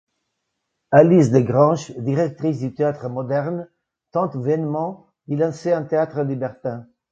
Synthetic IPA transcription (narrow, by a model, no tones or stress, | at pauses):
alisd̪əɡʁɑ̃ʒd̪iʁɛk̚t̪ʁis̬d̪yt̪eat̪χəmɔd̪ɛʁn | t̪ɑ̃t̪vɛnmɑ̃ | d̪ilɑ̃seɛ̃t̪eat̪χəlibɛʁt̪ɛ̃